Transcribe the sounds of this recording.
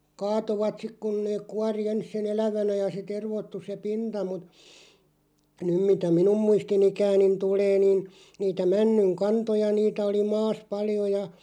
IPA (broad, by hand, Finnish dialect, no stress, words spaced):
kɑːtoʋɑt sik kun neː kuɑri ens sen elæʋænæ jɑ se terʋotːu se pintɑ mut nym mitæ minum muistinikæːnin tuleː nin niːtæ mænːyŋ kɑntojɑ niːtæ oli mɑːs pɑljo jɑ